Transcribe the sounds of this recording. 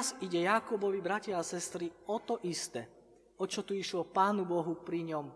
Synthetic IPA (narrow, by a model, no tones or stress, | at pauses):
ziɟɛjakubɔʋibɾacɪaasɛst̪ɾiɔt̪ɔʔist̪ɛ | ɔt͡ʃɔt̪uiʃlɔpaːnubɔɦupɾiɲɔm